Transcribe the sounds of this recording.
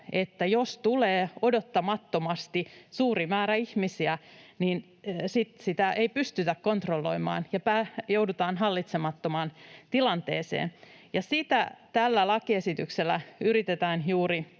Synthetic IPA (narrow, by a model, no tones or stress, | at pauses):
e̞t̪ːæjo̞st̪uleːo̞do̞t̪ːɑmɑt̪ːo̞mɑst̪isuːrimæːɾæihmisiæniːn | sit̪sit̪æʔeipyst̪yt̪ækkont̪rolːo̞̰imɑ̰ːnjɑpæːjowdut̪ɑːnɦɑlːit̪semɑt̪ːomɑːnt̪ilɑnt̪ḛːsḛːn | jɑsit̪æt̪ælːælɑkie̞sit̪ykselːæyɾit̪et̪æːnjuːɾi